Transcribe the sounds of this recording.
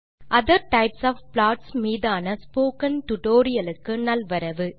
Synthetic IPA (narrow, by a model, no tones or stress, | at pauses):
ʔɐðɐɾʈɐɪpsaːfplaːʈsmiːðaːnɐspoːkɐnʈʊʈoːɾɪjɐlɯkːɯnɐlʋɐɾɐʋɯ